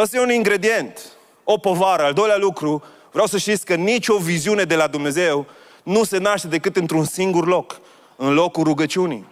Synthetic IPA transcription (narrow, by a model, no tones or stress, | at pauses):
əst̪jeuniŋɡɾe̞d̪ie̞nt̪ | opo̞vaɾəald̪o̞jljalukɾu | vɾeawsəʃt̪it̪sʲkənit͡ʃʲo̞viziune̞d̪e̞lad̪umne̞ze̞w | nuse̞naʃt̪e̞d̪e̞kɨt̪ɨnt̪ɾunsiŋɡurlo̞k | ɨnlo̞kuɾuɡət͡ʃiunḭj